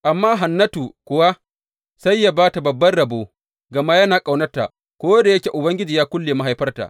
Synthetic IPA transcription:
ʔa˨mːaː˦ɦa˨nːɐ˦tu˨kʷʊ˨wa˦ | sa˦jːa˦baː˦ta˨bɐ˨bːɐ˦rɽɐ˨boː˦ | ɡɐ˨maː˦jɐ˦naː˨kʼa˨wnɐ˦ta̰˨ | kʷoː˦da˨jɐ˦kʲeː˨ʔʊ˨bɐ˦ŋɡʲɪ˦d͡ʒiː˨jaː˦kʷʊ˦lːeː˨ma˦ɦa˨jɸɐ˦rta̰˨ʔ

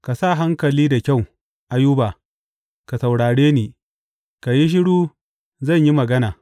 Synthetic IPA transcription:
ka˨sa˦˨ɦa˦ŋkɐ˨liː˦da˨kʲa˦˨w | ʔa˨jʊ˦baː˨ | ka˨sa˨wɽaː˨ɽeː˦niː˨ | ka˨ji˦ʃ̬ɪ˦ɽuː˦ | zɐ˦˨ɲji˦mɐ˨ɡɐ˦naː˨

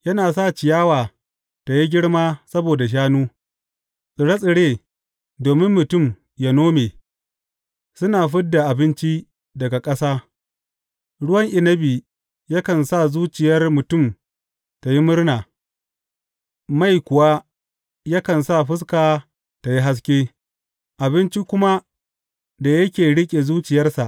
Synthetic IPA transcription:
jɐ˦naː˨s̬aː˦˨t͡ʃɪ˨jaː˦waː˨ | ta˨ji˦ɡʲɪ˦ɽmaː˦sɐ˦boː˨da˨ʃ̬aː˦nuː˦ | sʼɪ˨ɽe˦sʼɪ˨ɽeː˦˨ | doː˨mɪ˦mːʊ˨tʊ˦˨m | ja˦noː˦meː˨ | sʊ˦naː˨ɸɪ˦ddːa˨ʔa˨bɪ˦nt͡ʃi˦ | dɐ˨ɡa˨kʼɐ˦saː˦ | ɽʊ˦wɐ˦ŋʔɪ˨nɐ˦biː˨ | ja˦kɐ˨nsa˦˨zuː˦t͡ʃɪ˨jɐ˦rmʊ˨tʊ˦˨m | ta˨ji˦mʊ˦rnaː˨ | ma˦˨jkʷʊ˨wa˦ | ja˦kɐ˨nsa˦˨ɸɪ˦s̬kaː˨ | ta˨ji˦ɦa˦s̬kʲeː˦ | ʔa˨bɪ˦nt͡ʃi˦kʷʊ˦ma˦ | da˨jɐ˦kʲeː˨ɽɪ˦kʲʼe˨zuː˦t͡ʃɪ˨jɐ˦rsa˨ʔ

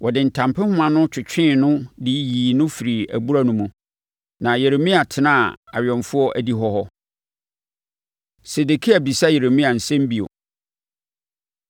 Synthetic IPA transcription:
wʔɔ˨dɪ˨n̩˨tʰã˨mpʰɪ˦hʊ̃˦mã˨nʊ̃˦t͡ɕʰᶣɪ˨t͡ɕᶣɪ̃˦˨nʊ̃˦di˦jiː˨nʊ̃˦fi˨ɾi˨æ̰˨bu˦ɾa˦nʊ̃˦mũ˨ | nã˨je˨ɾe˨mĩ˦a˨tʰɪ˨nã˦˨a̰˨ɥᶣɔ̃˨ɱfʊ˦ɔ˦ʔæ˨di˦ɦɔ˦hɔ˦ | se˨de˨kʰi˦æ˨bi˨sa˦je˨ɾe˨mĩ˦a˨n̩˨sɛ̃˦m˦bi˨o̰˨

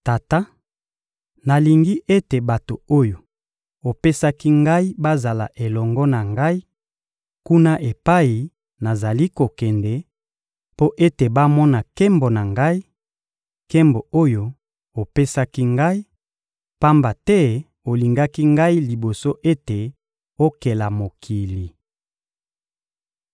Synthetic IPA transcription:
ta˨ta˦ | na˨li˨ŋɡi˦ʔe˦te˨ba˨to˨o˦jo˨ | o˨pe˦sa˦ki˦ŋɡa˦i˦ba˦za˨la̰˨ʔe˨lɔ˨ŋɡɔ˦na˨ŋɡa˦i˦ | ku˦na˦ʔe˨pa˦i˨ | na˨za˨li˦ko˨kɛ˨ndɛ˨ | po˦ʔe˦te˨ba˦mɔ˦na˨ke˦mbo˨na˨ŋɡa˦i˦ | ke˦mbo˨o˦jo˨ | o˨pe˦sa˦ki˦ŋɡa˦i˦ | pa˦mba˨tɛ˦ | o˨li˨ŋɡa˦ki˦ŋɡa˦i˦li˨bo˨so˦ʔe˦te˨ | o˦ke˨la˨mo˨kʰi˨li˨

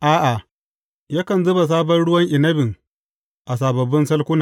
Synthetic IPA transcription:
ʔaː˦ʔa˨ | jaː˦kɐ˨nzʊ˦ba˨s̬aː˦bɐ˦nɽʊ˦wɐ˦ŋʔɪ˨nɐ˦bɪ˨ŋ | ʔa˨s̬aː˨bɐ˨bɪ˦nsɐ˦lkʷʊ˦naː˨

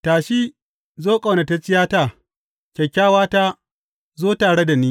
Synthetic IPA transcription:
taː˨ʃiː˦ | zoː˦kʼa˨na˨ta˦t͡ʃʼɪ˦jaː˦ta˦˨ | kʲɛ˨kʲːaː˦waː˦ta˦ | zoː˦taː˨ɽe˦da˨niː˦

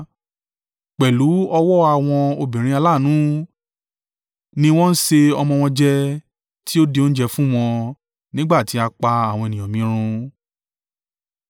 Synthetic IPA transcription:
k͡pɛ˨lu˨˦ɔ˧wɔ˦a˧˨w̃ɔ̃˧o˧bĩ˨ɾ̃ĩ˧a˧la˦˨nũ˨˦ | nĩ˧w̃ɔ̃˦n̩˦se˧ɔ˧mɔ̃˧w̃ɔ̃˧d͡ʒɛ˦ | ti˦o˦de˧˦o˦n̩˦d͡ʒɛ˧fũ˦w̃ɔ̃˧ | nĩ˦ɡ͡ba˦˨ti˨˦a˧k͡pa˧a˨w̃ɔ̃˧e˨nĩ˨ɔ̃˨mĩ˨˦ɾ̃ũ˧

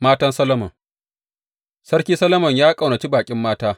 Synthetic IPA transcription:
maː˦tɐ˦nsɐ˦lɐ˦mɐ̰˨ŋ | sɐ˦ɽkʲiː˦sɐ˦lɐ˦mɐ˨ɲjaː˦kʼɐ˨wnɐ˨t͡ʃiː˦baː˨kʲʼɪ˦mːaː˦taː˦

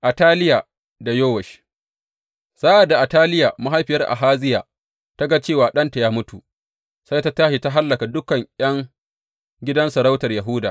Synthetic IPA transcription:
ʔa˨taː˦lɪ˦ja˨ | da˨joː˦wɛ˨ʃ | sa˦ʔa˨da˨ʔa˨taː˦lɪ˦ja˨ma˦ɦa˦jɸɪ˨jɐ˦rʔa̰˨ɦaː˦zɪ˦jaː˨ | ta˦ɡa˦t͡ʃeː˦˨waː˨ɗɐ˦nta˨jaː˦mʊ˦tu˨ | sa˦jta˦taː˦ʃi˨ta˦ɦa˦lːɐ˨ka˨dʊ˦kɐ˨ɲjɐ˦ŋ | ɡʲɪ˦dɐ˦nsɐ˨ɾa˦wtɐ˨rja˨ɦʊ˦daː˨

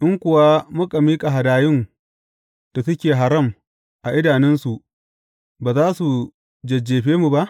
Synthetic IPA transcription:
ʔɪ˦ŋkʷʊ˨wa˦mʊ˦kʼa˨miː˦kʼa˨ɦa˨daː˨jɪ˦n | d̥a˨sʊ˦kʲeː˨ɦa˨ɾɐ˦˨m | ʔa˨ʔɪ˦daː˨nɛ˦nsu˨ʔ | baː˨zaː˦su˨ | d͡ʒɐ˨d͡ʒːeː˨ɸeː˦mu˨ba˦ʔ

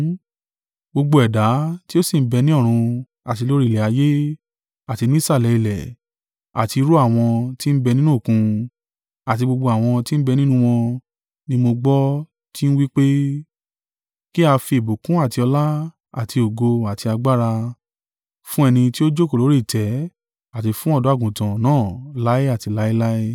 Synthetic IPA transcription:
ɡ͡bo˧ɡ͡bo˧ɛ˨da˨˦ti˦o˦si˦˨m̩˦bɛ˧nĩ˦ɔ˦˨ɾ̃ũ˧ | a˨t̬i˧lo˦ɾi˦˨lɛ˨a˨˦je˦ | a˨ti˧nĩ˦sa˦˨lɛ˨˧˦i˦˨lɛ˨ | a̰˨ti˧ɾu˦a˦˨w̃ɔ̃˧ti˦m̩˦bɛ˧nĩ˦nũ˦˨kũ˧ | a˨ti˧ɡ͡bo˧ɡ͡bo˧a˨w̃ɔ̃˧ti˦n̩˦bɛ˧nĩ˦nũ˦w̃ɔ̃˧ | nĩ˦mo˧ɡ͡bɔ˦ | ti˦ñ̩˦wi˦k͡pe˦ | ki˦a˧fi˧e˨bo˨kũ˨˦a˦˨ti˧ɔ˧la˦ | a˦˨ti˧o˨ɡo˧a˨ti˧a˧ɡ͡ba˦ɾa˧ | fũ˦ɛ˧nĩ˧ti˦o˦d͡ʒo˦ko˨lo˨˦ɾi˦˨tɛ˨˦ | a˦˨t̬i˧fũ˦ɔ˦˨dɔ̃˨˦a˦˨ɡũ˨tã˨nãː˦˨la˦i˦a˦˨ti˨˧la˨˦i˦la˦i˦

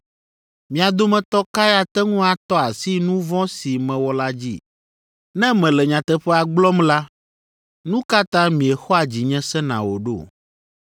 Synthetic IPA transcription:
mĩ˨a˨d̪o˦mɛ̃˨t̪ɔ˦ka˦ja˦t̪ɛ˦ŋũ˦a˨t̪ɔ˦a˨si˦nũ˦vɔ̃˦si˨mɛ̃˨wɔ˦la˦d͡ʑḭ˦ | nɛ̃˦mɛ̃˨lɛ˨ɲã˨t̪ɛ˨ɸɛ˦a˨ɡ͡blɔ˦mla˦ | nũ˦ka˦t̪ã˦mĩ˨ɛ˨xɔ˦a˨d͡ʑi˨ɲɛ̃˦sɛ̃˦nã̰˨wo˨ɖo˦˨

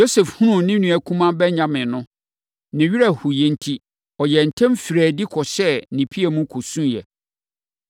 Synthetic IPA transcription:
jo˦sɛ˨fhũ˦nũ˦nɪ̃˦nũ˨æ˨kʰũ˦mã˦bɛ˦ɲã˦mɪ̃˨nʊ̃˦ | nɪ̃˨ɥi˦ɾa˨hu˨jɛ̃˨n̩˦tʰi˦ | ɔ˨jɛ˨n̩˨tʰɛ̃˦mfi˨ɾæː˨di˦kʰɔ˨ɕɛ˦nĩ˨pʰi˦æ˨mũ˦kʰo˨sũ˦jɛ̰˨

